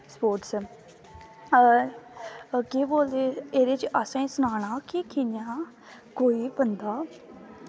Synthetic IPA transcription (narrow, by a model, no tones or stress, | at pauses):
spoːɾʈs | kiːboːld̪eːeːɾeːt͡ʃʔəsãisʊnaːɽ̃aːkiːkʰinjãː | koːiːbənd̪aː